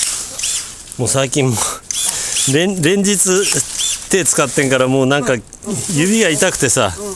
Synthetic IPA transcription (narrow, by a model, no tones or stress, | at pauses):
mo̞ːsaikʲĩmːo | ɾẽɾẽ̞ɲ̟d͡ʑit͡sɨt̪e̞t͡sɨ̥kat̪ːẽ̞ŋkaɾamo̞ːnãŋka | jɯbʲiɡait̪akɯ̟̥t̪e̞sa̰